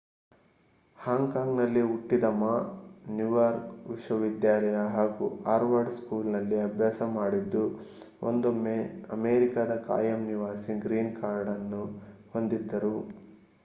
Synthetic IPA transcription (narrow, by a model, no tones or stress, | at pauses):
haːŋɡkaːŋɡnɐlːiuʈːid̪ɐmanjuʋaːɾkʋiʃʋɐʋid̪jaːlɐjɐɦaːɡuaːɾʋaːɖskuːlnɐlːiɐbʱjaːsɐmaːɽid̪ːu | ʔo̰nd̪omːeɐ̰meːɾikad̪ɐka̰ːjɐmniʋaːsiɡɾiːnkaːɾɖɐnːu | ho̞nd̪id̪ːɐɾu